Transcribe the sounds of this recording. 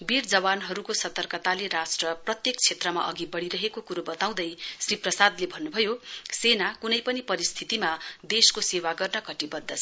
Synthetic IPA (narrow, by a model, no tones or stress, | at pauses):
bird͡zʌwanɦʌɾukosʌt̪ʌrkʌt̪aleɾasʈrʌprʌt̪jekt͡sʰet̪rʌma̰ʔʌɡibʌɽiɾʌɦekokuɾobʌt̪aw̃d̪ʌjsriprʌsad̪lebʱʌnːubʱʌjosenakunʌjpʌnipʌɾist̪ʰit̪imad̪eskosewaɡʌrnʌkʌʈibʌd̪ʱːʌt͡sʰʌ